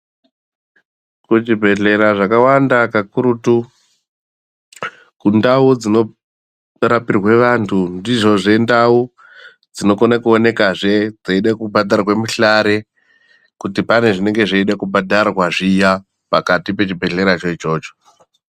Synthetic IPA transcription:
kut͡ʃibʱe̞ɮe̞ɾaʐakawandakakuɾutu | kundaud͡zino̞ | rapirwe̞ʋantʰundiʐo̞ʐe̞ndau | d͡zino̞konakuone̞kaʐe̞d͡zeiɗakubʱadʱarawe̞muɬaɾe̞ | kutipane̞ʐine̞ŋɡe̞ʐeiɗakubʱadʱarwaʐija | pakatipe̞t͡ʃibʱe̞ɮe̞ɾat͡ʃoit͡ʃo̞ːt͡ʃo̥

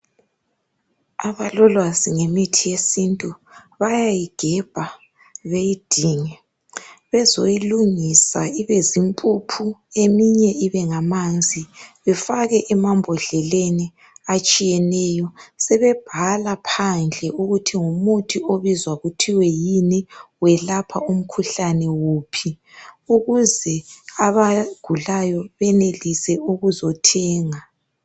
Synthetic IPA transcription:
aβalɔlwaziŋemitʰijesintʼuβajajiɡ̥ʱɛb̥ʱa | βejid̥ʱiːŋɛ | βɛzojiluŋisaiβezimpʼupʰuemiɲɛʔiβɛŋamand͡zʱiβɛfaɣɛʔɛmambʱɔɮɛleni | at͡ʃʼijɛnɛjɔsɛβɛb̥ʱalapʰand͡ɮʱɛʔuɣutʰiŋumutʰioβizwaɣutʰiwɛjinɛwɛlapʰa̰um̩kʰuɬanɛwuːpʰi | uɣuzɛaβaɡ̥ʱulajɔβɛnelisɛuɣuzɔtʰɛːŋa

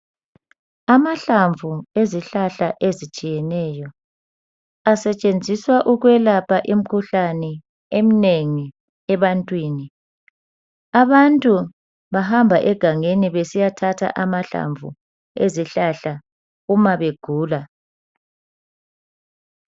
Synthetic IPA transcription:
amaɬaɱvʱueziɬaɬaʔezit͡ʃʼijɛnɛːjɔ | asɛt͡ʃʼend͡zʱiswaʔuɣwɛlapʰaʔim̩kʰuɬanɛ | emineŋi | ɛβantʼwiːni | aβantʼu | βaɦambʱaʔɛɡ̥ʱaŋeniβesijatʰatʰa̰ʔamaɬa̰ɱvʱṵ | eziɬaɬa | umaβeɡ̥ʱuːla

